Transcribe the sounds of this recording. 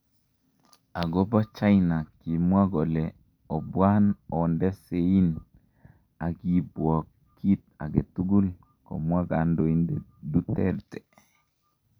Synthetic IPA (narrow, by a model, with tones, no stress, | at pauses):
a˨ɡɔ˦ba˦t͡ʃa˦jna˨ki˨mwa˦ɡɔ˨lɛ | ɔ˨bwa˦nɔ˨ndɛ˦se˨i˦n | a˨ɡi˨bwɔ˨kː | i˦t̪̚a̰˨ɡɛ˨t̪u˦ɡu˦l | ko̰˨mwa˦ɡa˨ndo˨i˦nde˨du˦tɛ˦ɾtɛ